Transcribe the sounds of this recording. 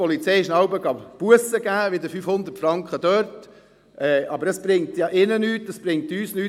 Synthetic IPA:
ɔlit͡sɛjɪʃnɑwbəɡɑpuəsəɡæːʋɪd̪əfyfhʊnd̪ətfɾɑŋkχəd̥œːɾt | ɛʔɑbəɾəsb̥ɾɪŋtjɑʔɪnənyːtːəsb̥ɾɪŋtyːsnyː

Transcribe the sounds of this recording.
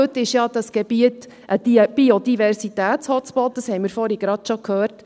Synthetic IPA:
øtːɪʃjɑdɑsɡ̥ebiət | ʔə̥ib̥iodivɛrsitæːtt͡shɔtt͡spɔlt̚d̥ɑshɛɪmɪɾfɔɾiɡɾɑt̪ʃokʰhœːrt

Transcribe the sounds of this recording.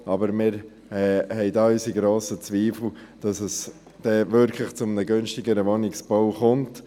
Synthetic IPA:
ɑbəɾmɪːɾ | ɛhɛɪdɑysiɡɾoːsət͡sʋiːfl̩d̥ɑsəs | d̥ɛvʏɾkʰlɪχt͡sʊmnəɡʏnʃtɪɡəɾəʋɔnɪksb̥ɔwχʊmt

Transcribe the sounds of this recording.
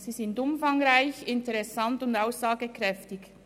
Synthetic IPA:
z̥iːzɪndʊmfaŋʁaɪçɪntəʁɛsantʊndaʊsz̥aːɡəkʁɛftɪç

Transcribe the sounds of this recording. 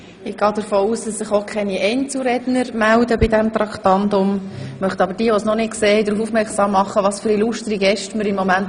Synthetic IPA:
ɪɡ̥ɑːd̪əɾfoːuːsd̥ɑsːɪχokʰχɛniʔɛɪnt͡suɾɛdnəɾmældəbɪdɛmt̪ɾɑktɑndʊmmœχtɑbəɾd̥iəʋosnɔnɪtkseːd̪ɾuːfuːfmɛɾksɑːmːɑχːəʋɑsfyːɾiluʃtɾiɡɛʃtməɾimːomænt

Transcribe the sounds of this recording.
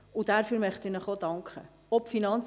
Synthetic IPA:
ʊd̥æɾfyːɾmœχtɪnəχodɑŋkχə̰ | ɔpfinɑnt͡s

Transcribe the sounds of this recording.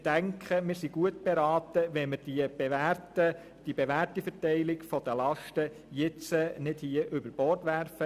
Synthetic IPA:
d̥æŋkχəmɪːɾsiɡ̥uətb̥eɾɑːt̪əʋɛməɾd̥iəbtə | d̥ibeʋærtifərtɛɪlɪkfɔd̥̪əlɑʃtə | jɪt͡sənɪdhiəʔʏbəɾb̥ɔːrtʋærfə

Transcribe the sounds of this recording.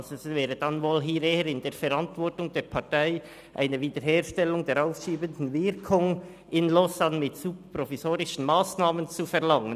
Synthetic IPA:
zɛsvɛːɾəd̥ɑnvoːlɦiːɾeːəɾɪndeːɾfɛɾɑntvɔʁtʊŋdeːɾpʰɑtaɪ | ʔa̰ɪnəviːdəɾɦeːʃtɛlːʊŋdeːɾaʊfʃiːbəndn̩vɪɾkʰʊŋ | ɪnlɔsanmɪtsub̚pɾɔfisoːɾɪʃən̩maːsnaːmənt͡sufɛʁlɑŋən

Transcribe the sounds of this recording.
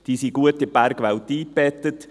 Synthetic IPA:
d̪̥iːsiɡ̥uətɪbæɾɡʋawt̪iːb̥ɛt̪ət

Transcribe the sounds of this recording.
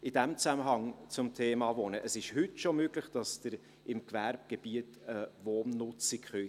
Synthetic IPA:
ʔɪd̥æmt͡sæməɦɑŋt͡sʊmtʰeːmɑvonəʔəsɪʃhʏtʃomøːɡlɪχd̥ɑsd̥əɾ | ɪmkvæɾb̚ɡ̥eb̥iətəvoːnnʊt͡sikχœ

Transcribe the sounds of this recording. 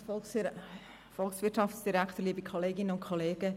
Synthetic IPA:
fɔl | fɔlksʋɪtt͡ʃɑftsd̥iɾækt̪əɾliəbikʰoleːɡɪnənʊntkʰoleːɡə

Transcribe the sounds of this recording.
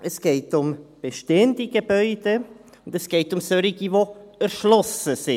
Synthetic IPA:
ʔɛsɡ̥eɪtʊmb̥eʃteːndiɡ̥əbœʏd̥e | ʊndɛsɡ̥eɪtʊmsøɾɪɡivoɛɾʃlɔsəsɪ

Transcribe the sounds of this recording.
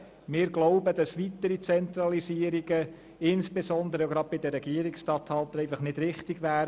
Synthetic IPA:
mɪːɾɡloʊbəd̥ɑsʋitəɾit͡sɛnt̪ɾɑlisiəɾiɡə | ɪnsb̥esɔnd̪əɾəjoɡɾɑd̚bɪdəɾɛɡiəɾiksʃtɑthɑlt̪ɛɪfɑχnɪd̥ɾɪχtɪɡʋæːɾ

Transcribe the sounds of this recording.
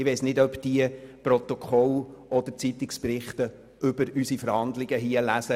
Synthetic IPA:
ɪʋeɪsnɪdœpd̥iəprɔt̪okʰɔlɔd̪ət͡sit̪ɪksprɪχtə | ʔʏbəɾysifəɾhɑnd̪lɪɡəɦiəlæsə

